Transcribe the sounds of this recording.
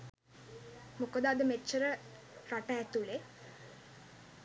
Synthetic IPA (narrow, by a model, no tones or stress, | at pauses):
mukəd̪aːd̪əmet͡ʃːəɾə | ɾaʈəːt̪ule